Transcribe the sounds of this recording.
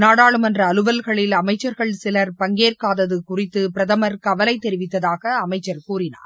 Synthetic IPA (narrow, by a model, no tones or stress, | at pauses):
naːɽaːɭɯmɐndrɐːlɯʋɐlɣɐɭɪlɐmɐɪt͡ʃːɐɾɣɐɭsɪlɐɾpɐŋɡeːrkaːðɐðɯkʊrɪt̪ːɯpɪɾɐðɐmɐɾkɐʋɐlɐɪt̪ːɛɾɪʋɪt̪ːɐðaːɣɐːmɐɪt͡ʃːɐɾkuːrɪnaːɾ